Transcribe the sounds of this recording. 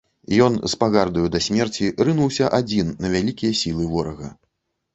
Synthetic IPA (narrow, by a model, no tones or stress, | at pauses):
jɔnspaɣard̪ɐjud̪ɐsʲmʲɛrt͡sʲirɨnuwsʲɐʔad͡zʲinːɐvʲalʲikʲijɐsʲilˠɨvɔɾɐɣɐ̰